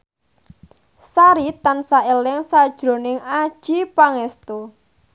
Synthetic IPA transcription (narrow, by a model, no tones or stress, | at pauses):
saɾit̪ansaelɪŋsad̥ʒ̥ɾo̤nɪŋad̥ʒ̥ipaŋɛst̪o